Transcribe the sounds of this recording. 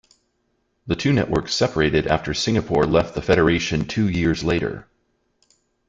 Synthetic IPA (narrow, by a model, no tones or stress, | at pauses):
ðɨtʰʉnɛ̰ʔwɜ˞ksɛpə˞eɪɾɨɾæ̰ftʰə˞sɪ̃ŋɨpʰɔɹlɛft̪̚ðəfɛɾə˞eɪʃɨ̃ntʰʉjɪɹzleɪɾə̰˞